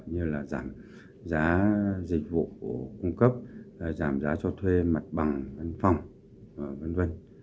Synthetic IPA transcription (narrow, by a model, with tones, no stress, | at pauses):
ɲɨ˧laː˨˩zaː˧˩m | zaː˨˦zï˨˩k̟̚vṵ˧˨ku˧˩əkʊ˧ŋ͡mkə˦˥p̚zaː˧˩mzaː˨˦t͡ɕɔ˧t̪ʰwe˧ma˨˩t̚ɓa˨˩ŋva˧nfa˨˧˩wŋ͡m | və˧nvə˧n